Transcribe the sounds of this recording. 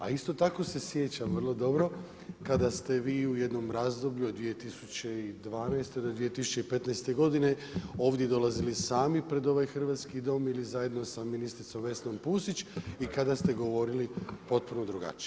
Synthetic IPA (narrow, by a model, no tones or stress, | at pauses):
a̰ist̪o̞t̪ako̞se̞sje̞t͡ɕamʋrlˠo̞d̪o̞bɾo̞ | kad̪ast̪e̞ʋiːuje̞d̪no̞mɾazd̪o̞bʎuod̪ʋije̞t̪isut͡ɕe̞id̪ʋaːnajst̪ed̪od̪ʋije̞t̪isu̥t͡ɕe̞ipe̞t̪najst̪e̞ɡo̞d̪ine̞ | o̞ːʋd̪je̞d̪o̞lˠazilisaːmipɾe̞d̪o̞ʋajxr̩ʋat̪skid̪o̞ːmilizaje̞d̪no̞saminist̪ɾit̪so̞mʋe̞sno̞mpuːsit͡ɕikad̪ast̪e̞ɡo̞ʋo̞ɾilipo̞t̪̚puno̞d̪ɾuɡa̰t͡ʃi̥